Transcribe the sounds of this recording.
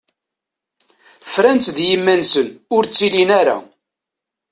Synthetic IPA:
fɾænt͡s̪ðjəmːænsənʊɾt͡sːilinæɾa̰

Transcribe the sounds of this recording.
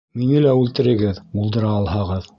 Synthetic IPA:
minɘlæʉlt̪ɘ̆ɾɘ̆ɡɘðbulˠd̪ɤ̆ɾɑːlˠhɑʁɤð

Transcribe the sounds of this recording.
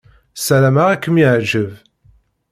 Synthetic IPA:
sælæmaʁækːəmjiʕd͡ʒəv

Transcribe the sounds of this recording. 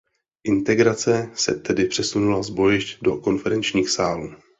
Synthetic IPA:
ʔɪnt̪ɛɡɾat͡sɛsɛ̰t̪ɛdɪpr̥ɛsunulazbo̞jɪʃcdo̞ko̞nfɛɾɛnt͡ʃɲiːxsaːluː

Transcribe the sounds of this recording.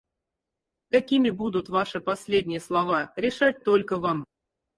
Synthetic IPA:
kakʲimʲɪbud̪ut̪vaʂɨpɐsʲlʲedʲnʲɪjəslˠɐvaɾʲɪʂat̚ʲt̪olʲkəvam

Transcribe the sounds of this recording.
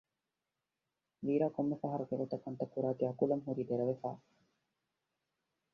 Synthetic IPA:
ʋiːɾaːkomːefɐɦɐɾɐɡeɡot̪ɐkːɐnt̪ɐkːuɾaːkeɐkulɐmɦuɾiːd̪eɾɐʋefa̰ː

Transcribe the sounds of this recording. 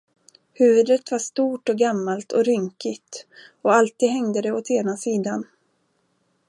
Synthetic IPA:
hʉ̟ːvɵd̪ət̪vaʂt̪uːʈɔɡamːalt̪ʰɔɾʏŋkɪt̪ɔalt̪iːd̪ɦɛŋd̪əd̪ɛɔt̪ʰeːnasiːd̪an

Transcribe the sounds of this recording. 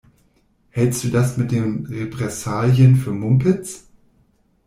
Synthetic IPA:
hɛlst̚d̥uːdasmɪt̚d̥eːmʁepʁ̥ɛsaːljənfyːɐmʊmpɪt͡s

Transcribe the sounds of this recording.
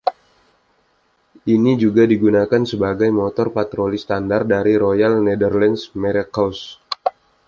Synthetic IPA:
ʔinid͡ʒuɡadiɡunakansəbaɡajmɔt̪ɔrpat̪ɾolist̪andar̚daɾiɾojalnedərlɛnsmɛɾɛkaws

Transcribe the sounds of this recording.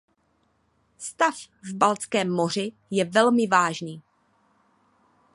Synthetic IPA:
st̪af | vbalt͡skɛːmːo̞r̝ɪ | jɛvɛlmɪvaːʒniː

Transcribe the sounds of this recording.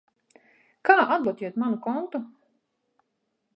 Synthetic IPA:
kaːʔad̪̚lˠɔt̪ʲiɛt̪manukɔnt̪u

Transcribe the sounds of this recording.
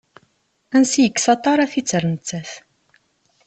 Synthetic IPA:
ænsijəkːsɑt̪ˤɑɾˤɑθit͡sːəɾnət͡sːæθ

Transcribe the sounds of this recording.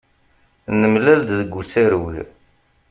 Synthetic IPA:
nəmlæld̪ðəɡʷːusæɾwḭ

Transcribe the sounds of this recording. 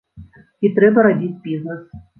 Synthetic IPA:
it̪ɾɛbɐɾabʲit͡sʲbʲiznəs

